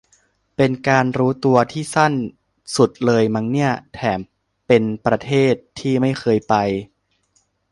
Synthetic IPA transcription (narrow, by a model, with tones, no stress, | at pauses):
pe˧nkaː˧nɾuː˦˥t̪u˧ɐt̪ʰiː˥˩sa˥˩n | su˨˩t̪̚lɤː˧jma˧ŋni˥˩ɐt̪ʰɛː˩˦m | pe˧npɾa˧t̪ʰeː˥˩t̪ʰːiː˥˩ma˥˩jxʰɤː˧jpa˧j